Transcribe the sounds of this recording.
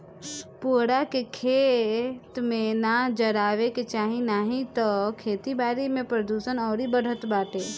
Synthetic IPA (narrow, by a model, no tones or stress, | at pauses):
puːɽakekʰeːt̪mẽnad͡ʒəɾaːʋeket͡ʃaːɦĩnaːɦĩt̪ɔkʰeːt̪ibaːɾimẽpɾəd̪uːʃənɔːɾibəɽ̤ət̪baːʈeː